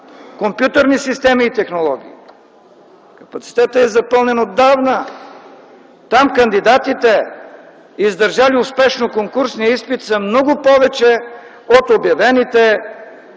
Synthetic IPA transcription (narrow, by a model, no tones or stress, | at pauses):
kompjut̪əɾnisist̪ɛmiːt̪ɛxnolˠɔɡ̟ii | kɐ̥pɐt̪si̥t̪ɛt̪əɛzɐpəlˠnɛnod̪ːavnə | t̪amkɐnd̪id̪at̪it̪ɛ | izd̪əɾʒaliʊspɛʃnokoŋkuɾsniispit̪səmnɔɡʊpɔvɛt͡ʃɛ | ot̪objɐvɛnit̪ɛ